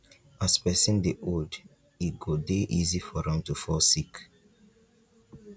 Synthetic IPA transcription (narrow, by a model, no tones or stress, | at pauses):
aspɛsĩndeʔold | iɡodeʔizifɔɹãntufɔsik